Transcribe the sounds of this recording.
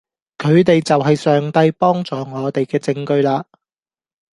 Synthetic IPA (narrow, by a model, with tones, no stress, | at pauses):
kʰɵ˨˧ɥt̪e˨jt͡sɐ˨wɦɐ˨jsœː˨ŋt̪ɐ˧jpɔː˥ŋt͡sɔː˨ŋɔː˨˧t̪e˨jkɛː˧t͡sɪ˧ŋkɵ˧ɥlaː˧